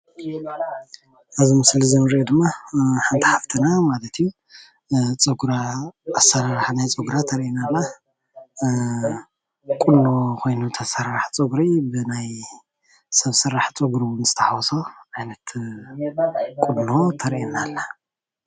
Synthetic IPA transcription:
ʔaβzimɨslizɐmɨɾed̪ɨmːaħant̪ʰiħaft̪ʰɨnamalɐt̪ʰiju | t͡sʼɨɡɾaːsɐɾaɾħnajt͡sʼɨɡɾat̪ʰɐɾʔinalːa | kʼunːo̞kʰo̞jnut̪ʰɐsɨɾːaħt͡sʼɨɡɾibɨnaj | sɐβsɨɾːaħt͡sʼɨɡɾiwnzɨ̥t̪ʰɐħawɔsoajnɐt̪ | kʼudno̞t̪ʰɐɾʔinalːa

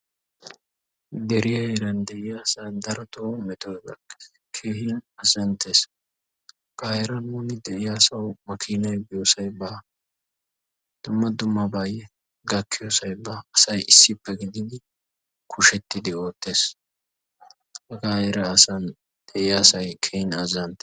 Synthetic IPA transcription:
d̪ɛɾɪjɐeːɾɐnd̪ɛʔɪjaːsand̪ɐɾɔt̪oːmɛt̪oːbɐ̰kːe̥ | kʰe̞ːhɪnɐsɐnt̪ʰeːs | ɡ̥aːjɛɾɐnuːnɪd̪ɛʔɪjaːsɐwmɐkʰiːnɐjbɪjoːsɐjbaː | d̪̥ʊmːɐd̪ʊmːɐbaːjɛ | ɡɐkːɪjosɐjbɐːsɐjɪsːɪpːɛɡɪd̪ɪn | kʰʊʃɛt̪ːɪd̪ɪo̞ːt̪ːe̞ːs | hɐɡaːjɛɾɐːsɐn | d̪̥ɛʔɪjaːsɐjkʰeːhɪnɐzːɐnt̪ːe̥

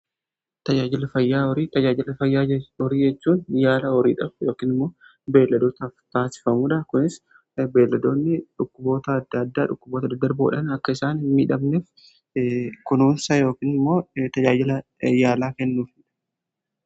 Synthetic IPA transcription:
t̪ɐd͡ʒaːd͡ʒɪlɐfɐjːaːɔɾiːt̪ɐd͡ʒaːd͡ʒɪlɐfɐjːaːɔɾiːd͡ʒɛt͡ʃːuːnjaːlɐɔɾiːᶑɐfjo̞ːkiːnɪmːo̞ː | be̞ːlːɐd̪oːt̪ɐft̪aːsɪ̥fɐmuːᶑɐkʊnɪs | be̞ːlːɐd̪o̞ːnːɪᶑʊkːʊbo̞ːt̪ɐɐd̪ːɐɐd̪ːaːᶑʊkːʊboːt̪ɐd̪ɐɡ̚d̪ɐɾboːᶑɐnɐkːɐɪsaːnmiːᶑɐbnef | kʊnuːnsɐjo̞ːkiːnɪmːo̞ːt̪ɐd͡ʒaːd͡ʒɪlɐ | jaːlaːkɛnːuːfɪᶑɐ̥

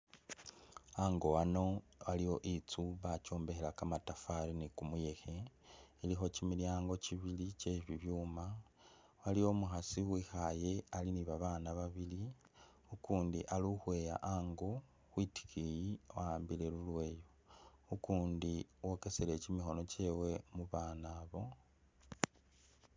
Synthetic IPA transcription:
aŋɡo̞ano̞ | βalijo̞ʔit͡suβaco̞ːmbe̞xelakamatafaɾinikumuje̞xe̞ilixo̞cimiljaːŋɡo̞ciβilice̞ːβiβjuːma | waliwo̞muxasiwwiːxaje̞aliniβaβaːnaβaβili | ukuːndiʔaluxwe̞ːja̰ʔaŋɡo | xwiti̥kʰijiwaːmbile̞lulwe̞ːjo | ukuːndiwoke̞sele̞cimixo̞no̞ce̞we̞muβaːnaːβo̞

